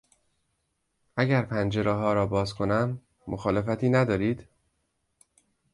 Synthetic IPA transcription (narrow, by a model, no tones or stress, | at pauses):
ʔæɟæɾpʰænd͡ʒe̞ɾɛːɦɒːɾɒːbɒːzkʰo̞næmː | oxɒːlefæt̪ʰiːnæd̪ɒːɾiːd̪̥